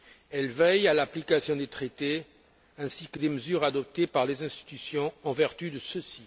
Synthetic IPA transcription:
ɛlvɛjalaplikasjɔ̃d̪et̪χet̪e | ɛ̃sikəd̪eməzyʁad̪ɔp̚t̪epaʁlezɛ̃st̪i̥t̪ysjɔ̃ɑ̃vɛʁt̪yd̪əsəsi

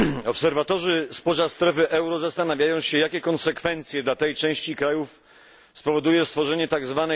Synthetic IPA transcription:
ɔpsɛɾvat̪ɔʐɘspɔʑast̪ɾɛfɘʔɛwɾɔzast̪anavʲjajɔ̃w̃ɕɛjakʲɛkɔnsɛkfɛnt̪sʲjɛd̪lat̪ɛjt͡ʂɛ̃w̃ɕt͡ɕikɾajuf | spɔvɔd̪ujɛst̪fɔʐɛɲɛt̪aɡzvanɛ

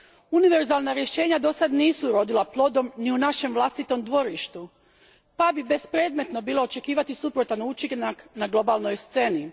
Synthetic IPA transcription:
uniʋe̞ɾzaːlˠnaɾje̞ʃe̞ːɲad̪o̞sad̪niːsuɾo̞d̪ilaplˠo̞d̪o̞mniunaʃe̞mʋlˠast̪it̪o̞md̪ʋo̞ɾiʃt̪u | pabibe̞spɾe̞ːd̪me̞t̪no̞biːlˠo̞ot͡ʃe̞kiːʋat̪isupɾot̪anut͡ʃiɡnaknaɡlˠo̞balˠno̞jst̪se̞ni

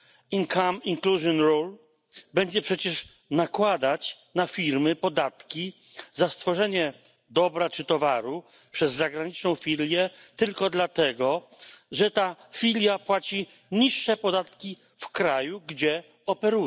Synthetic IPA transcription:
iŋkʰamiŋkluʐjɔnɾul | bɛɲd͡ʑɛpʂɛt͡ɕɛʂ | nakwad̪at͡ɕ | nafʲiɾmɘpɔd̪at̪kʲi | zast̪fɔʐɛɲɛ | d̪ɔbɾat͡ʂɘt̪ɔvaɾu | pʂɛzːaɡɾaɲit͡ʂnɔ̃w̃fʲilʲjɛt̪ɘlkɔd̪lat̪ɛɡɔ | ʐɛt̪afʲilʲjapwat͡ɕi | ɲiʂːɛpɔd̪at̪kʲi | fkɾajuɡd͡ʑɛ | ɔpɛɾu

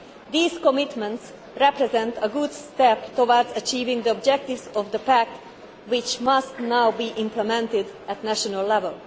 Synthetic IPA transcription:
d̪iːz̥kɔmɪt̪mɛ̃nt̪s | ɾɛpɾɛzɛ̃nt̪əɡud̪sst̪ɛpt̪owɔɹdzət͡ʃiːvɪ̃ŋd̪əɔb̚d͡ʒɛk̚t̪ivzɔvd̪əpæk̚t̪ | wɪt͡ʃmʌst̪nawbiːʔɪ̃mplɛmɛ̃nt̪ɪdæt̪næʃɔnəllɛvəlˠ

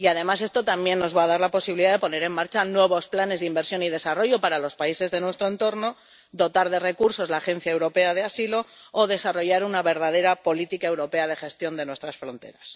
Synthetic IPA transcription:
iaðe̞mas̬e̞st̪o̞t̪ambje̞nːo̞zβaːðaɾlapo̞siβiliðaðe̞po̞ne̞ɾe̞mmaɾt͡ʃanwe̞β̞o̞splane̞zðeimbe̞ɾsjo̞nið̞e̞saro̞ʝo̞paɾalo̞spaise̞zðe̞nwe̞st̪ɾoe̞nt̪o̞ɾno̞ | ðo̞t̪aɾðe̞re̞kuɾso̞zlaːxe̞n̟θjaewɾo̞pe̞aðe̞asilo̞ːðe̞saro̞ʝaɾunaβe̞ɾðað̞e̞ɾapo̞lit̪ikae̞wɾo̞pe̞aðe̞xe̞st̪jo̞nd̪e̞nwe̞st̪ɾasfɾo̞nt̪e̞̰ɾas

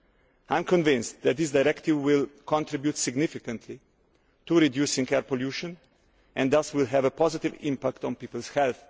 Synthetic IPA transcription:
ãɪ̃mkɔ̃nvɪ̃nstðɛt̪̚d̪iɪs̬dajɾɛktɪvwɪlkʰɔ̃ntɾɪbjutsɪɡnɪfɪkə̃ntʰli | tuɾidjuːsɪ̃ŋkɛɹpɔljuʃə̃n | ʔɛ̃nd̪ðʌswɪlˠɦɛvəpɔzɪtɪvɪ̰̃mpakt̪ɔ̃npiːpəlˠshɛlθ

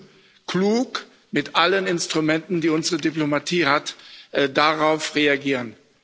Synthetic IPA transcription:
kluːk | mɪtʔalənɪnstʁ̥umɛntn̩diːʊnzəʁədiplomatʰiːhatdaʁaʊfʁeaɡiːʁən

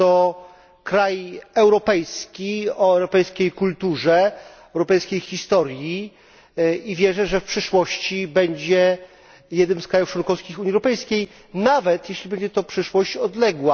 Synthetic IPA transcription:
t̪ɔ | kɾajɛwɾɔpɛjskʲiɔɛwɾɔpɛjskʲejkult̪uʐɛɛwɾɔpɛjskʲejxʲist̪ɔɾʲji | ivʲjɛʐɛʐɛfpʂɘʂwɔɕt͡ɕibɛɲd͡ʑɛ | jɛd̪nɘmskɾajuft͡ʂwɔnkɔfskʲixuɲiɛwɾɔpɛjskʲej | navɛt̪jɛɕlʲibɛɲd͡ʑɛt̪ɔpʂɘʂwɔɕt͡ɕɔd̪lɛɡwa

